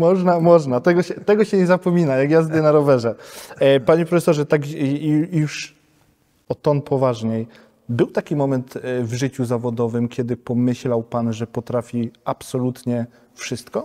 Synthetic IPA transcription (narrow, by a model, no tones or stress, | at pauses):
mɔʐnamɔʐnat̪ɛɡɔɕɛt̪ɛɡɔɕɛɲɛzapɔmʲinajaɡjazd̪ɛnaɾɔvɛʐɛpaɲɛpɾɔfɛsɔʐɛt̪aɡjuʂ | ɔt̪ɔnpʰɔvaʐɲɛj | bɘwt̪akʲimɔmɛnt̪vʐɘt͡ɕuzavɔd̪ɔvɘmkʲjɛd̪ɘpɔmɘɕlawpanʐɛpɔt̪ɾafʲiapsɔlut̪ɲɛ | fʂɘst̪kɔ